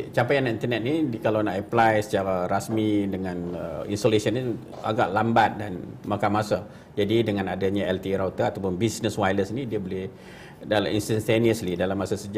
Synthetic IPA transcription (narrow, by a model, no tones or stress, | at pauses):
t͡ʃampajanint̪ənɛt̪̚nikalawnaʔəplajsə̥t͡ʃaɾaɾasmidəŋãnə̰ḭnsolesiəni | a̰ɡaʔlambat̪̚danmakanmasa | d͡ʒadidəŋanadaɲaɛlt̪iɾawt̪aat̪awpʊnbisnəswajləsnidiəboleh | dalainst̪ant̪eniəslidalamːasasəd͡ʒa